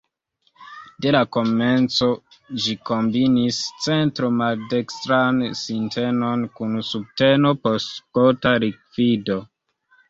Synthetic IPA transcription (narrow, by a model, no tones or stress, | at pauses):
de̞lako̞me̞nt͡so̞d͡ʒiko̞mbinist͡se̞ntɾo̞malde̞kstɾansintʰe̞no̞nkunsub̚te̞no̞postpotaɾik̚vido̞